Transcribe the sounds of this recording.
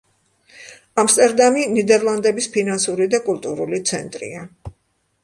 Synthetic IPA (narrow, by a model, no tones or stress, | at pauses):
amst̪ʼɛɾd̪aminid̪ɛɾlˠand̪ɛbispʰinansuɾid̪akʼulˠt̪ʼuɾulit̪sʰɛ̰nt̪ʼɾḭa